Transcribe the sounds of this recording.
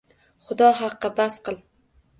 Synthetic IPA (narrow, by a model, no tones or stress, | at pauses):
χʊd̪ɒɦɑqːɑbasqɨlˠ